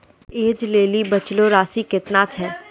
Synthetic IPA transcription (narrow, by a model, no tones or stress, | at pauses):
eːd͡ʒleːlibɐt͡ʃloɾaːsikɪt̪nat͡ʃʰɛː